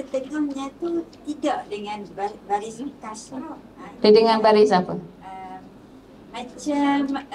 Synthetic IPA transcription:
kət̪əŋamɲãt̪ut̪idaʔdəŋãnbabaɾizəmkasa | pədəŋanbaɾisapəəm | mãt͡ʃam

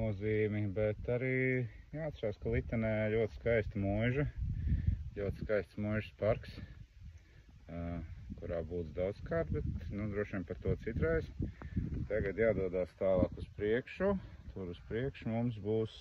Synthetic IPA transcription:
nuɔziːmibɛt̪aɾiːjaːat̪sɾaːskalˠit̪ːɛnɛːlʲuɔt̪ɪ̥skajst̪mujʒɐ | lʲuɔt̪ɪ̥skajst̪smujʒspaɾks | kuɾaːbuːd̪zd̪awd̪skaːɾt̪̚bɛt̪nud̪ɾuɔʃimpaɾt̪uɔt̪sit̪ɾajs | t̪aɡad̪jaːd̪uɔd̪aːst̪aːlˠaːkuspɾiɛkʃut̪ʰuɾuspɾiɛkʃumums̬buːs

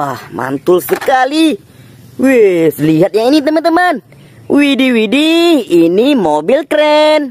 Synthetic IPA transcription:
ahma̰nt̪ʊlsəkali | wesəliɦat̪̚ɲainit̪əmənt̪əman | widiwidiːnimobilkɾɛn

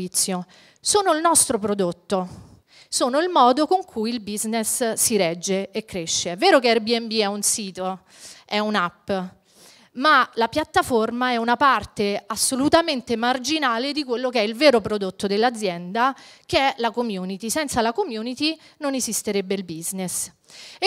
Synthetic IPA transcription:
it̪sːjo | soːnoilnɔst̪ɾopɾod̪ot̪ːo | soːnoilmɔːd̪okoŋkʰujilbiznesːiɾɛd͡ʒːeekːɾeʃːeɛvːeːɾokeɛrbiɛmbiɛunsiːt̪o | ɛunapː | malapjat̪ːaformaɛunapart̪easːolut̪ament̪emard͡ʒinaːled̪ikwelːokeɛilveːɾopɾod̪ot̪ːod̪elːad̪zːjɛnd̪akeɛlakomjuːnit̪isɛnt̪salakomjuːnit̪inonezist̪eɾebːeilbiznes

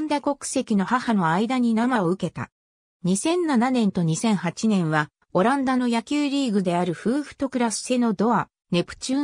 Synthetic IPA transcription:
nd̪ako̞kɯ̥se̞kʲino̞hahano̞aid̪aɲ̟inamaoɯ̟ke̞t̪a̰ | ɲ̟isẽ̞nːananẽ̞nt̪o̞ɲ̟isẽ̞ɰ̃hat͡ɕinẽ̞ɰ̃βa | o̞ɾãnd̪ano̞jakʲɨːɾʲiːɡɯ̟d̪e̞aɾɯ̟ɸɯ̟ːɸɯ̟̥t̪o̞kɯ̟ɾasɨ̥ːe̞no̞d̪o̞a | ne̞pɯ̟̥t͡ɕɨː

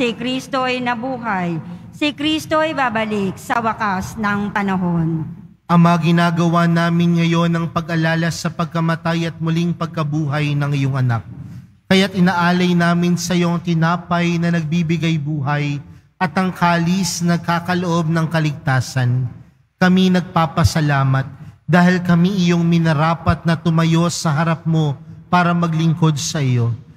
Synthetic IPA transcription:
sikɾist̪oʔɐjnɐbuːɦɐjsikɾist̪oʔɐjbaːbɐlik̚sɐwɐkasnɐŋpɐnɐɦon | ʔɐŋmɐɐɡɪnaːɡɐwaːnaːmɪnŋɐjo̞nɐŋpɐɡʔɐlaːlɐsɐpɐɡ̚kɐmɐt̪ajɐt̪̚mʊliŋpɐɡ̚kɐbuːɦɐjnɐŋɪjo̞ŋɐnak̚ː | ɐjat̪̚ɪnaːʔaːlɐjnaːmɪnsɐjoŋt̪ɪnaːpɐjnɐnɐɡ̚bibɪɡɐjbuːɦɐj | ʔɐt̪ɐŋkaːlisnɐɡ̚kaːkɐloʔo̞b̚nɐŋkɐlɪɡ̚t̪aːsɐn | kɐminɐɡ̚paːpɐsɐlaːmɐt̪̚d̪aːhɪlkɐmiʔɪjo̞ŋmɪnɐɾaːpɐt̪̚nɐt̪ʊmɐjo̞sɐɦɐɾɐp̚mo̞paːɾɐmɐɡlɪŋko̞d̪̚sɐʔɪjo̞

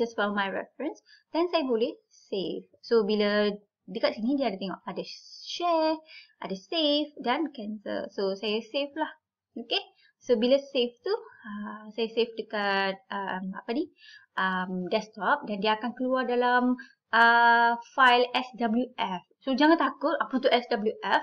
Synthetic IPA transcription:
d͡ʒasfɛlmajɹɛ̰fɹə̃ns | d̥ɛ̃nsajəbolɛh | sefsobilə | dəkaʔ̚siŋĩdiadət̪ɛŋɔʔadəʃɛʔa̰dasefdãnkɛ̃nsə̰lsosajəseflah | oke | sobilaseft̪uəsajasefdəkat̪̚əmapəni | ʔəmdɛst̪ɔp̚dandiəakankəluardalam | əfajlɛsdabəljuʔɛfsod͡ʒaŋãnt̪akʊt̪apət̪uʔɛsdabəljuʔɛf

